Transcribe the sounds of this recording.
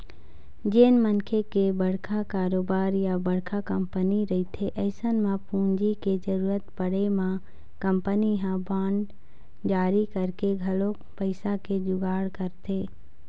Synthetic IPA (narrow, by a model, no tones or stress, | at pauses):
d͡ʒeːnmənkʰekebəɽkʰakaːɾoːbaːɾjabəɽkʰakəmpəniɾɐɦit̪ʰeʔəɪsənmãpũːɲd͡ʒiked͡ʒəɾuːɾət̪pəɽemã | kəmpəniɦãbãːɳɖ | d͡ʒaːɾikəɾkeɡʱɐlo | pəɪsaked͡ʒʊɡaːɽkəɾt̪ʰeː